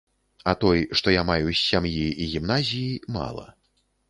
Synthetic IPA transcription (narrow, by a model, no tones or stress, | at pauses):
ɐt̪ɔjʂt̪ɔjamajusʲːamjiiɣʲimnazʲijima̰lˠɐ̰